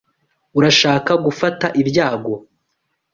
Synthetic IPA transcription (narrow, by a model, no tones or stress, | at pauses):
uɾaʃaːkaɡufataʔibjaːɡo̞